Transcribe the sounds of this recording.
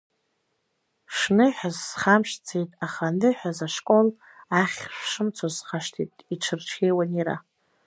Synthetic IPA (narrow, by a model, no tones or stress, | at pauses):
ʂnɨħazːχamʃt͡sʰejtʼaχanɨħᶣazaʂkʼo̞l | aχʲʃʷʂɨmt͡sʰozχaʂtʰḭtʼiʈ͡ʂʰɨrʈ͡ʂʰkʲejwaniɾa̰